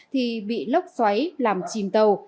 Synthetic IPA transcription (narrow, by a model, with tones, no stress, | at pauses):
t̪ʰi˨˩ɓḭ˧˨lə˦˥wk͡p̚swa˨˦jlaː˨˩mt͡ɕi˨˩mt̪ə˨˩w